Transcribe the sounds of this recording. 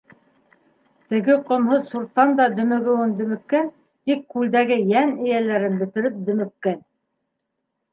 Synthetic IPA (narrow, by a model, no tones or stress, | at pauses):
t̪ɘ̆ɡɘqŏmɦoðsuɾt̪ːɑnd̪ɑd̪ɵ̆mɵ̆ɡɘ̆wɘnd̪ɵ̆mɘ̆kːæn | t̪ikːʉld̪æɡɘjænɘ̆jælæɾɘnbɵ̆t̪ɘ̆ɾɘp̚d̪ɵ̆mɘ̆kːæn